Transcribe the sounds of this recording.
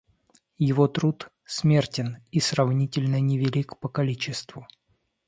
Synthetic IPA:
jɪvot̪ɾut̪ | smʲertʲɪnisrɐvnʲitʲɪlʲnənʲɪvʲɪlʲikpəkɐlʲit͡ɕɪst̪vʊ

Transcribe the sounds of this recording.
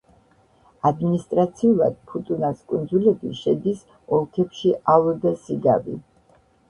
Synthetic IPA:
ad̪minist̪ʼɾat̪sʰiulˠa̰d̪̥̚pʰut̪ʼunaskʼund̪zulɛbiʃɛd̪is | ɔlˠkʰɛpʃiʔalɛd̪asiɡa̰vḭ

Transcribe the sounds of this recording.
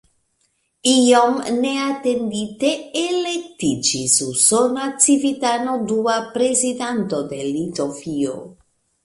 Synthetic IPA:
iomneat̪end̪it̪eːlek̚t̪id͡ʒisusonat͡sivit̪anod̪uapɾezid̪ant̪od̪elit̪ofio̰

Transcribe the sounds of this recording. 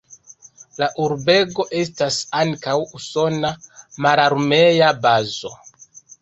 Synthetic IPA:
laʔuɾbe̞ɡo̞ʔe̞stasaŋkawuso̞namalaɾme̞jabazo̞

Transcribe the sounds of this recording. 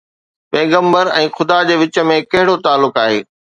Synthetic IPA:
pɛːɡə̃mbəɾɛ̃ːxʊd̪ad͡ʑeːʋɪt͡ɕə̆mẽkɐɦɪɽot̪aːlːʊkaːɦḛː

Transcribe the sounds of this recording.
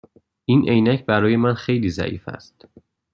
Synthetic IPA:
ʔinʔe̞jnæcʰbæɾɒːje̞mænxe̞jliːzæ̰ʔḭːfæ̰st̪

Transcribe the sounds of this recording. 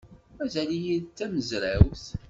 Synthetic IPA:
æzælijilt͡s̪ːæməzɾæwθ

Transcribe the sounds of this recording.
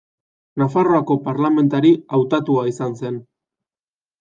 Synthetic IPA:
nafaro̞ako̞paɾlame̞nt̪aɾiawt̪at̪uaisanse̞n

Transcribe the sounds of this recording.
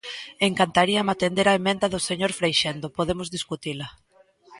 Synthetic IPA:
eŋkant̪aɾiamat̪end̪eɾaemẽnd̪aðʊseɲoɾfɾejʃend̪opoðemʊzðiskut̪ila

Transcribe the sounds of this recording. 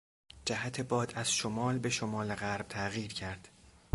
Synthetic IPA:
d͡ʒæɦæt̪ʰe̞bɒːd̪æz̥ʃomɒːlbe̞ʃomɒːleɣæɾb̥̚t̪ʰæɣiːɾcʰæɾd̪̥

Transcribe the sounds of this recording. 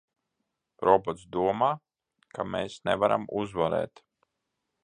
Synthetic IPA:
ɾɔbɔt̪sd̪uɔmaː | kʰameːsnɛvaɾʔa̰muzvaɾɛ̰ːt̪

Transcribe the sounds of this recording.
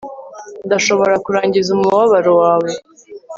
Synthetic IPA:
ndaʃo̞βo̞ɾakuɾaːɲɟizumuβaβaɾewaːβo̞

